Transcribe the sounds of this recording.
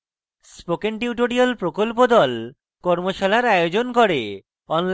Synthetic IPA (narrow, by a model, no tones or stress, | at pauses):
spokenʈiuʈoɾialpɾokolp̬od̪ɔl | kɔɾmoʃalaɾajod͡ʑonkoɾe | ɔnl